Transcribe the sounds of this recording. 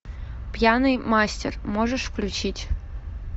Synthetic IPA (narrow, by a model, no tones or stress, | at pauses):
pjanɨjmɑsʲtʲḛrmoʐəʂfklʲut͡ɕitʲ